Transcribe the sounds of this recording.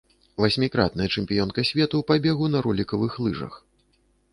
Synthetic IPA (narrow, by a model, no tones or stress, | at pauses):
vasʲmʲikɾa̰t̪̚nɐjɐt͡ʂɛmʲpʲijɔnkɐsʲvʲɛt̪uwpabʲɛɣunɐɾulʲikɐvɨxlˠɨʐɐ̰x